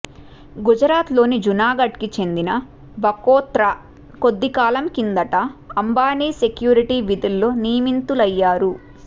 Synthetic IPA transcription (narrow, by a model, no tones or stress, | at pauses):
ɡud͡ʒɐɾaːt̪lo̞ːnid͡ʒunaːɡɐʈkit͡ʃe̞nd̪inɐ | bɐkɔːt̪ɾɐ | ko̞d̪ːikaːlɐmkind̪ɐʈɐːmbaːniːse̞kjuːɾiʈiʋid̪ilːo̞ːniːjɐmint̪ulɐjːaːɾu